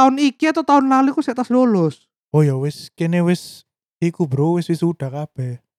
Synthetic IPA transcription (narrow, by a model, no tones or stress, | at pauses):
aʊnikiat̪awt̪aʊnlalukusɛʔt̪asdolɔs | ojawɪskɛnɛwɛs | tikubəɾowɛswɪsuɖ̥akapɛ